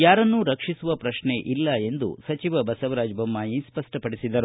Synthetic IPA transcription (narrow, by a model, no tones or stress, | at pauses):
jaːɾɐnːuɾɐkʂisuʋɐpɾɐʂneʔilːɐe̞nd̪ṵsɐt͡ʃiʋɐbɐsɐʋɐɾaːd͡ʒbɐmːaːjispɐʂʈɐpɐɽisid̪ɐɾu